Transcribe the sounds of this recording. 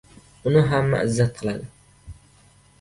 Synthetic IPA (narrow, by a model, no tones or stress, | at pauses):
ʊnɪɦamːa̰ɪzːat̪̚qʰɨlˠad̪ɪ